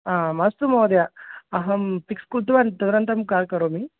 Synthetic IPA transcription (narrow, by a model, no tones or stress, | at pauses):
aːmɐst̪umoːd̪jaːɦɐmpikskult̪uʋɐnt̪ɐd̪ɾɐnt̪ɐmkaːlkɐɾomi